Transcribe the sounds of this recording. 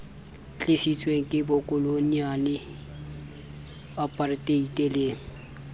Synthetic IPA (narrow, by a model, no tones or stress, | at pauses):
t͡ɬʰisit͡swẽŋkebokoloniani | əpəɾt̪eit̪ele